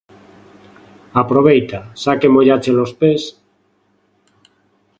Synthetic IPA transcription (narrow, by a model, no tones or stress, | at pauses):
apɾoβ̞ejt̪asakemoʎat͡ʃelospes